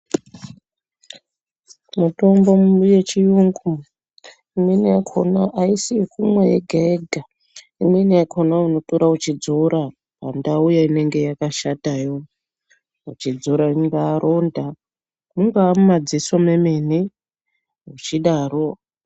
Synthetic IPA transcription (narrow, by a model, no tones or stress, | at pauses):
muto̞mbo̞mje̞t͡ʃijuŋɡu | imeniakʰo̰naʔaisiikumwajeɡʱaeɡʱa | imeniakʰo̞nauno̞toɾaut͡ʃid͡zoɾa | a̰ndaujaine̞ŋɡe̞jakaʃatajo̞ | ut͡ʃid͡zoɾaŋɡaːɾʔo̞nda | muŋɡaːmumad͡zisomeme̞ni | ɦut͡ʃiɗaːro